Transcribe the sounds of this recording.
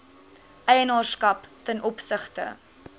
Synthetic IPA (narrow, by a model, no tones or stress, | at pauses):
ʔɛjənɑːrskɐptənʔɔpsəχtə̰